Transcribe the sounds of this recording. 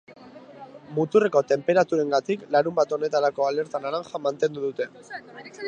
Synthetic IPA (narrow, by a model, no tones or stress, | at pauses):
mut̪ureko̞t̪e̞mpe̞ɾat̪uɾe̞ŋɡat̪iklaɾumbat̪o̞ne̞t̪aɾako̞ale̞ɾt̪anaɾaŋxamant̪e̞nd̪uðut̪e̞